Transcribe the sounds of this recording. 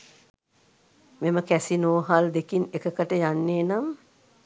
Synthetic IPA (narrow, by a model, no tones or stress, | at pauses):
meməkæsinoːɦald̪ekinekəkəʈəjanːeːnam